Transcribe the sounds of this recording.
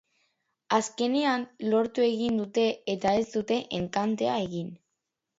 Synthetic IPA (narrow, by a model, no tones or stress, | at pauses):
aske̞ne̞anlo̞ɾt̪ue̞ɣind̪ut̪e̞ːt̪ae̞zd̪ut̪e̞ʔeŋkant̪e̞ae̞ɣin